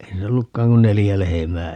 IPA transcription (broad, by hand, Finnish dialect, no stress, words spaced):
ei niːlːæ olːukːɑːŋ kun nelijæ lehemæː